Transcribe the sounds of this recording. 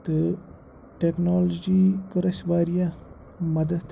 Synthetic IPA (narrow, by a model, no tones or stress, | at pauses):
t̪ɨ | ʈeknoːlod͡ʒikəɾɐsʋaːɾija | mɐd̪ɐt̪